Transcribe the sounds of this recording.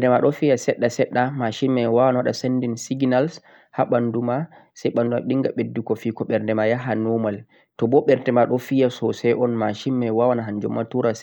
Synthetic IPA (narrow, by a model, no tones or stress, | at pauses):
ɛdɛmaɗɔfijasɛɗːasɛɗːamaʃimmɛwawanawaɗasendinsiɡnals | haɓanduma | sɛjɓanduma̰ɓiŋɡaɓedːukɔfikɔɓɛɾndɛmajaɦanɔmal | tɔbɔɓɛɾtɛmaɗɔfijasɔsɛjʔɔnmaʃimmɛwawanaɦand͡ʒɔ̰mːatuɾas